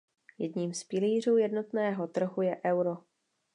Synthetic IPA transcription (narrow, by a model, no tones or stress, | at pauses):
jɛdɲiːmspɪliːr̝uːjɛdno̞t̪nɛːɦo̞t̪r̩ɦujɛʔɛwɾo̞